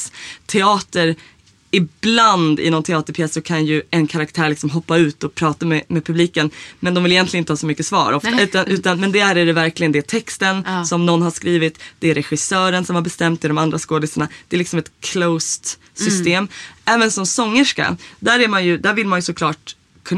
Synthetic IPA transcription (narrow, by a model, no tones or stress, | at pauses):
t̪ʰɛɑːt̪əɾ | ɪbland̪ɪ̰nɔnt̪ʰɛɑːt̪əɾpʰjɛsːɔkʰanjɵɛnkʰaɾak̚t̪ʰæːɾɭɪksɔmɦɔpːaʉ̟ːt̪ɔpʰɾɑːt̪amɛmɛːpʰɵbliːkənmɛnd̪ɔmvɪljɛnt̪lɪənɪt̪əhɑːsɔmʏkːəsvɑ̰ːɾɔft̪aʉ̟ːt̪anʔʉ̟ːt̪anmɛnd̪ɛæɾæɖɛvæɾklɪɡənd̪ɛt̪ʰɛkst̪ənsɔmnɔnːɦaʂkɾiːvɪt̪d̪̥ɛæɾɛɧɪsœːɾənsɔmhaɾbɛst̪ɛmt̪ːɪd̪ɔmand̪ɾaskoːd̪ɪsəɳad̪̥ɛːɾlɪksɔmɛt̪kʰloʊst̪ | sʏst̪eːmɛːvənsɔmsɔŋːəʂka̰d̪æːɾæɾmanjɵd̪æɾvɪlmanjɵsɔkʰlɑːʈ̚ | kʰɵn